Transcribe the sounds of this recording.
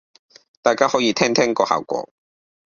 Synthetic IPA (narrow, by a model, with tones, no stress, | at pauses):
t̪aː˨˩jkaː˥hɔː˨˥jiː˧t̪ʰɛː˥ŋt̪ʰɛː˥ŋkɔː˧ha̰ː˨wkʷɔ̰ː˧˥